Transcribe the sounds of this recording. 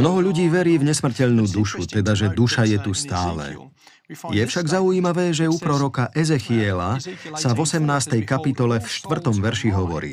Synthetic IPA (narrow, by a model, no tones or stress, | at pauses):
mnɔɦɔʎuɟiːʋɛɾiːvɲɛsmr̩cɛʎnuːd̪uʃut̪ɛd̪aʒɛd̪uʃajɛt̪ust̪aːlɛ̰ | jɛfʃaɡzauiːmaʋɛːʒɛupɾɔɾɔkaʔɛzɛxiɛlasavɔsɛmnaːst̪ɛjkapit̪ɔlɛfʃt̪ʋr̩t̪ɔmʋɛɾʃiɦɔʋɔ̰ɾḭː